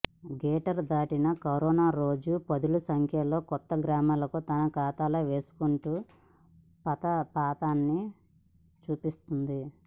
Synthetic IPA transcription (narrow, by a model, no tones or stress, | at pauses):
ɡɛːʈɐɾd̪aːʈinɐkɐɾɔːnaːɾo̞ːd͡ʒupɐd̪ulusɐŋkʰjɐlo̞ːkɔt̪ːɐɡɾaːmaːlɐkut̪ɐnɐkaːt̪aːloʋe̞ːsu̥kuɳʈuː | pɐt̪ɐpaːt̪aːnːi | t͡ʃuːpist̪und̪i